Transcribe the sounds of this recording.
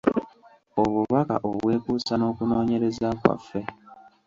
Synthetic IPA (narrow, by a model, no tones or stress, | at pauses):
o̞βuβaka̰ʔoβwe̞ːkuːsano̞ːkuno̞ːɲe̞ɾezakwa̰fːe̞